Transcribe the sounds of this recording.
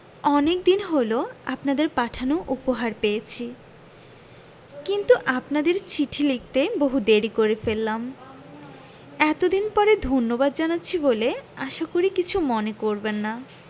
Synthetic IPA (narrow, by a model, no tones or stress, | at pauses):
ɔnek̚d̪inɦoloa̰pnad̪eɾpaʈʰanoʔupoɦaɾpeet͡ɕʰi | kint̪uʔapnad̪eɾt͡ɕiʈʰilik̚t̪eboɦud̪eɾikoɾefelːam | ɛt̪od̪inpɔɾed̪ʱonːobad̪̚d͡ʑanatːɕʰiboleaʃakoɾikit͡ɕʰumonekoɾbenːa